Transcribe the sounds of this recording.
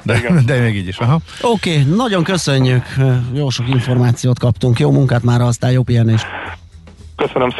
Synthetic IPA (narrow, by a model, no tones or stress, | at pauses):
d̪ɛd̪ɛmeːɡiːɟiʃɛɦ | okeːnɒɟo̞ŋkø̞søɲːykjoːlʃo̞kiɱfo̞rmaːt̪sijoːt̪kɒpt̪uŋkjoːmuŋkaːt̪maːɾɒɒst̪aːjoːpijɛneʃ | køsønøms